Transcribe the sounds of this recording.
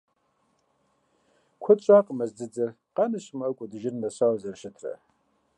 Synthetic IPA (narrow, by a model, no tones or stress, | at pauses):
kʷʰʊt͡ʃʷʼaqʼəmɐzd͡zɨd͡zɨr | qanɨɕmɐkʷʼʊdɨʒɪrnɐɕawzɐrʃɪtʰrɐ̰